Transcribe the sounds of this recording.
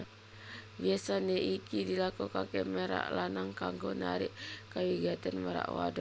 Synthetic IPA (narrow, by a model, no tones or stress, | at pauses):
biasaneʔikidilakukakemeɾa̰ʔlanaŋkaŋɡona̰ɾiʔkawiɡat̪anmeɾa̰ʔwa̰do